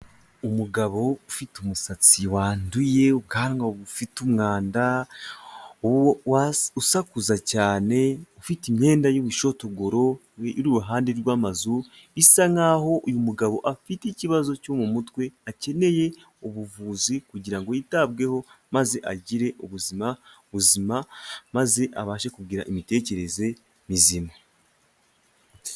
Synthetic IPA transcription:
umuɡaβo̞ufitumusat͡siwaːnduje̞uɡaːɾŋaβufitumŋaːnda | wausakuzacaːne̞ufitimɲe̞ːndajoβuʃo̞toɡoɾo̞ | iɾuɾuɦaːndeɾɡwaːmazu | isaŋaɦo̞ʔujumuɡaβo̞ʔafiticiβazo̞comumutwe̞ace̞ne̞je̞ | oβuvuzikuɟiɾaŋɡo̞jitabɡe̞ho̞maze̞ʔaɟiɾe̞ʔuβuzimaβuzimamaze̞ʔaβaːʃekubɡiɾa̰ʔimite̞ːce̞ɾe̞ze | mizima

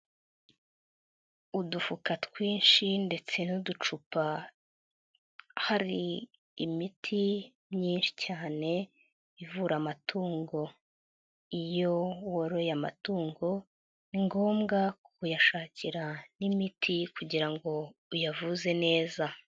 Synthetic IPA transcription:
udufukatkwiːnʃinde̞t͡se̞nudut͡ʃupa | haɾiː | mitʰi | mɲiːnʃi̥caːne̞ | ivuːɾamatʰuːŋɡo̞ | ijo̞woɾo̞jama̰tuːŋɡo̞ | niŋɡo̞ːmɡakkujaʃaːciɾanimitʰikuɟiɾaŋɡo̞ujavuze̞ne̞ːza

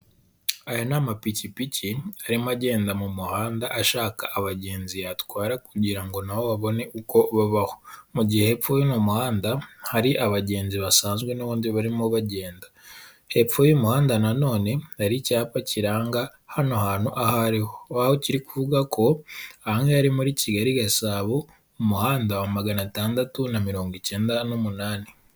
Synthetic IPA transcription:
ajonamapicipicʰiaɾimaɟe̞ːndamumuhaːndaʔaʃaːkaʔːβaɟe̞ːnzijatwaːɾakuɟiɾaŋɡo̞nawo̞βaβo̞ne̞ʔukʰo̞βaβaho̞̥muɟihehepfojinomuhaːndahaɾiʔaβaɟe̞ːnziβasaːnzɡwe̞noβuːndiβaɾimoβaɟe̞ːnda | he̞pfojomuhaːndanano̞ːne̞haɾicaːpaciɾaːŋɡa | hanohaːn̥huʔahaɾihoahociɾikuvuɡakʰo̞ahaŋeaɾimuɾiciɡaɾiɡasaːβoː | muhaːndaamaɡanataːndatunamiɾo̞ːŋɡice̞ːndanomunaːni

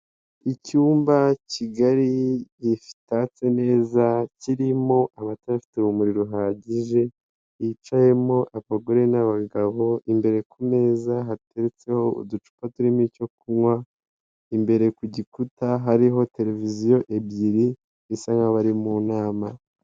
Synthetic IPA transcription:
icuːmbaciɡaɾijifi̥tat͡se̞ne̞ːzaciɾimo̞ʔamataafi̥teβumuɾiɾoɦaːɟiʒe̞ | it͡ʃaje̞mo̞ʔaβaɡoɾenaβaɡaβo̞ʔimbe̞ɾe̞kune̞ːzaɦate̞ɾet͡se̞ho̞ṵdut͡ʃu̥patuɾimico̞kumŋwa | imbe̞ɾe̞kuɟikutaɦaɾiɦo̞te̞ɾe̞vizijo̞ʔebɟiɾi | isaŋɡaβaɾimunaːma

